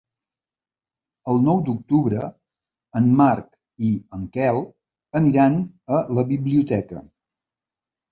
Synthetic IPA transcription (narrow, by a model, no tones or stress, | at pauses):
əlˠnɔwd̪uk̚t̪uβɾə | ənmark | iəŋkɛlˠ | əniɾan | ələβiβliut̪ɛkə̰